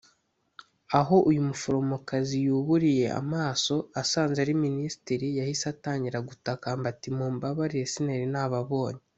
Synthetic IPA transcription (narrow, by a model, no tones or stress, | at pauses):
aɦo̞ʔujumufoɾo̞mokazijuːβuɾije̞ʔa̰maːso̞asaːnzeɾiminisi̥tiɾijahisataːɲɟiɾaɡutakambatimuːmbaβaɾijesineɾinaːβaβo̞ːɲe